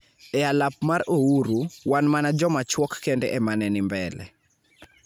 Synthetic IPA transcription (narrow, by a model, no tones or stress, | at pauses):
ɛalap̚maɾouɾuwanmanad͡ʒɔmat͡ʃwɔkːɛndɛʔɛmanɛnɪmbɛlɛ̰